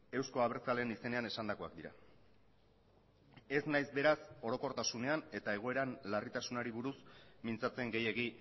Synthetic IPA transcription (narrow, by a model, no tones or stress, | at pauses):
e̞wsko̞aβeɾt͡sale̞nise̞ne̞ane̞sand̪ako̞a̰kd̪iɾa̰ | e̞znajzbe̞ɾaso̞ɾo̞ko̞ɾt̪asune̞ane̞t̪ae̞ɣ̞o̞e̞ɾanlarit̪asunaɾiβuɾusmint͡sat͡se̞ŋɡe̞je̞ɣi